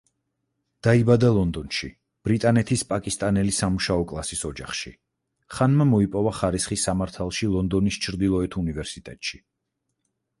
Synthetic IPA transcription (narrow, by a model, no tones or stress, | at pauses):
d̪̥aibad̪alˠɔnd̪ɔnʃi | b̥ɾit̪ʼanɛt̪ʰispʼakʼist̪ʼanɛlisamuʃaɔkʼlˠasisɔd͡ʒaχʃi | χanmamɔipʼɔvaχaɾisχisːamaɾt̪ʰalˠʃilˠɔnd̪ɔnist͡ʃʰɾd̪ilˠɔɛt̪ʰunivɛɾsit̪ʼɛt̪ʼʃi